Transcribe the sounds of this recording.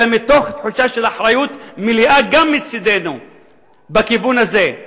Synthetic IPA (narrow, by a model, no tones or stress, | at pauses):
emit̪oχt̪ħuʃaʃelaħɾajut̪miliʔaɡamːit͡sid̪enu | bekivunaze̞